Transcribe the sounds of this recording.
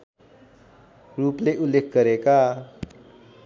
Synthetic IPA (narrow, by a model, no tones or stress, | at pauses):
rupleʔulːekʰɡʌɾeka